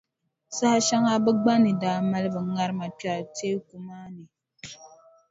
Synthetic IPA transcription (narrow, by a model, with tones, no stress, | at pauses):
sa˦ha˦ʃa˦ŋa˦bɨ˦ɡ͡ba˦nɨ˨daː˦ma˦lɨ˦bɨ˨˦ŋa˦ɾɨ˦ma˨pa˨teː˦ku˨maː˦nɨ˨